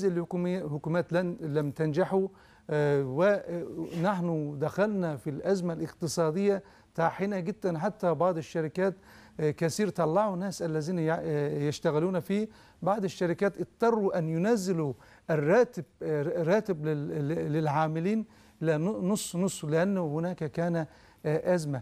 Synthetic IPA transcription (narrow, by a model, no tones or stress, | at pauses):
zɪlhkːhʊkuːmæːt̪llæmt̪and͡ʒaħu | wɪnaħnʊd̪æxælnafilʔæzmalɪqt̪ɨsˤɑːd̪ɪjːa | t̪aʕħɪnæɡɪd̪ːænħat̪ːæbɑʕd̪ˤɪʃːɑɾɪkæːt̪ | kæsiːɾt̪ˤɑlːɑʕunæːsʔalːæziːnjɪʃt̪æɣɪluːnfiː | bɑʕd̪ˤɪʃːaɾɪkæːt̪ʔɨt̪ˤːɑrˤːuʔanjʊnæzːɪlu | ʔɪrːɑːt̪ɪbrːɑːt̪ɪblɪlʕaːmɪliːn | lnʊsˤːnʊsˤːlɪʔanːʊhʊnæːkækæːnæ | ʔæzma